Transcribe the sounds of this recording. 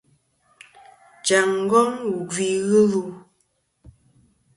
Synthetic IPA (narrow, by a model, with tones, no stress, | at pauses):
d͡ʒa˨ŋ˦ɡɔ˦ŋu˨ɡwi˨ɣɨ˦ɾu˦˨